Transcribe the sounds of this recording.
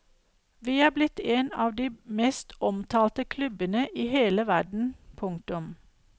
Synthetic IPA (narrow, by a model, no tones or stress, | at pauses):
ʋiːhɑːblɪt̪eːnɑːʋd̪iːmeːst̪ɔmt̪ʰɑːlt̪əkʰlʉbənəʔiːheːləʋæɖɳ̩pʰʊŋt̪ʊm